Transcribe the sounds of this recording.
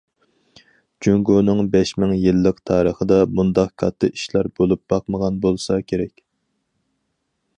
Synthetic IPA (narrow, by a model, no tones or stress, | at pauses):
d͡ʒyŋɡonɨŋbɛʃmɪŋjɨlːəqt̪ʰɑːɾəχəd̪ɑbund̪ɑqkʰɑt̪ʰːɨiʃlæɾbolˠup̚b̥ɑq̚məʁɑnbolˠsɑkʲʰeɾɛkʲ